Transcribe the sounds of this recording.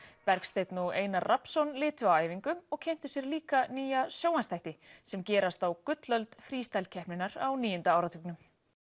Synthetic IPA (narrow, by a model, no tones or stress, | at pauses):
pɛɾkst̪ejt̪nuɣḛːjnaɾrʔapsɔnlɪːt̪ʏawaːjviŋkʏmɔɣcʰejn̥t̪ʏsjɛɾliːkaniːjasjoːwanst̪ʰajht̪ɪsɛmcɛːɾast̪awkʏt̪lœlt̪fɾiːst̪ajlcʰɛhpnɪnaɾa̰wniːjʏnt̪aaːwɾat̪ʰʏknʏm